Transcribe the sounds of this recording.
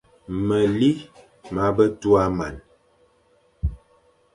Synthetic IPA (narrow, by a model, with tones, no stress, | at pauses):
mə˨li˦ | ma˨˦bə˦tu˦a˦ma̰˨n